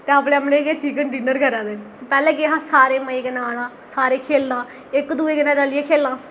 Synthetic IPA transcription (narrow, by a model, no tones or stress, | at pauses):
t̪eːapɽẽːəmnẽːɡeːt͡ʃiːkəɳɖiːnəɾkəɾãːd̪eːpɛːlɛ̃ːɡeːɦãːsaːɾeːməĩɡənãːɽãːsaːɾeːkʰeːlnãː | ɪkd̪uːeːɡənaːɾəlieːkʰeːlãː